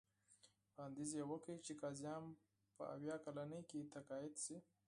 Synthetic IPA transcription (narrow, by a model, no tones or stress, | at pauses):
pɑnd̪izjewəkit͡ʃekɑzjɑm | pə̰ʔa̰wjɑkalanəket̪akɑjɪd̪si